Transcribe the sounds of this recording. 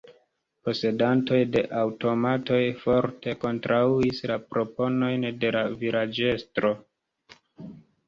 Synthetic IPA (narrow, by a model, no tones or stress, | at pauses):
po̞se̞danto̞jde̞ʔawto̞mato̞jfo̞ɾte̞ko̞ntɾʔauislapɾo̞po̞no̞jnde̞laviɾad͡ʒe̞stɾo̞